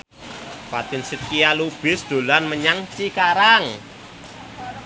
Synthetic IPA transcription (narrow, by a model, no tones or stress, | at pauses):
fat̪ɪnsɪt̪̚kialub̥ɪ̤sd̪̥o̤lanməɲaŋt͡ʃikaɾaŋ